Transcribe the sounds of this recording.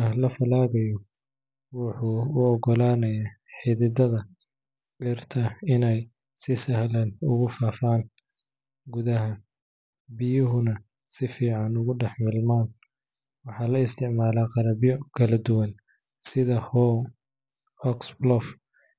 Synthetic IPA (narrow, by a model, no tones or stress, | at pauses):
ɐlɐfɐlaːɣɐjɔ | wʊħuːɔɡɔlaːnɐjaː | ħɪðɪd̪ɐðɐ | ʕɪrt̪ʰɐɪnɛj | sɪsɐhlɐnʊɣʊfaːfaːn | ɡʊðɐɦɐ | bɪjʊɦʊnɐ | sɪfiːʕɑnʊɣʊɖɛħmɪlmaːn | wɑħɑːlɐɪst̪ʰɪʕmaːlaːqɑɾɐβjɔkʰɐlɐd̪ʊwɐn | sɪðɐhɔ | ɔksblɔf